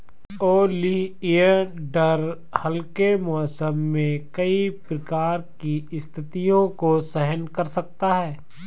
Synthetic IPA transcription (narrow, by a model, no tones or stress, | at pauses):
oːliəɖɐɾ | hɐlkemɔsəmːẽkɐipɾɐkaːɾkiɪst̪ʰɪt̪ijõkosɛɦənkɐɾsɐk̚t̪aɦɛː